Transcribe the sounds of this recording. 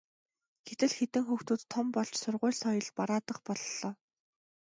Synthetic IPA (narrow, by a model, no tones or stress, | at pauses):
ɡet̪ɘ̆ɮxet̪ɘ̆ŋxuxt̪uːt̪ʰːɔmpɔɮt͡ɕsʊrʁʊ̟ːɮsɔjɞ̆ɮpaɾaːt̪ə̆qpɔɮɮɔː